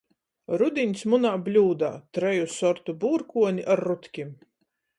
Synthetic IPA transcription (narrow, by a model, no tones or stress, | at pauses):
ɾud̪inʲsmunaːblʲuːd̪a̰ːt̪ɾɛjusɔɾt̪ubuːɾkuɔniʔaɾːut̪kʲim